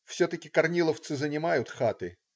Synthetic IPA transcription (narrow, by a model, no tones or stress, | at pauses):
fsʲɵt̪əkʲɪkɐrnʲilˠəft̪sɨzənʲɪmajʊt̪xat̪ɨ